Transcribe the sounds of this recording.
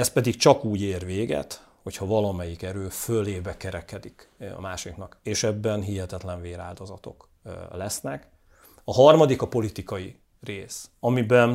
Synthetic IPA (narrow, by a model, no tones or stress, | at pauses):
ɛspɛd̪ikt͡ʃɒkuːɟeːrʋeːɡɛ̰t̪ | ho̞chɒvɒlɒmɛjikɛɾøːfølːeːbɛkɛɾɛkɛd̪ikɒ̰maːʃiknɒkeːʃɛbːɛnɦiɦɛt̪ɛt̪lɛɱveːɾa̰ːld̪o̞zɒt̪o̞̰k | lɛsnɛk | ɒɦɒrmɒd̪ikɒpo̞lit̪ikɒji | reːsɒmibɛn